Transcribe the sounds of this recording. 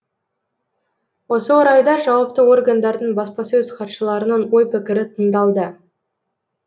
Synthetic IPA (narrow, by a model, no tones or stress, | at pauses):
wo̞səwoɾɑjd̪ɑʒɑwɑpt̪əwo̞rɡand̪ɑɾd̪əɴbɑspɑsɵzqʰɑt̪ʃəlˠɑɾənəɴwo̞jpɪkʲɪɾɪt̪ʰəɴd̪ɑlˠd̪ə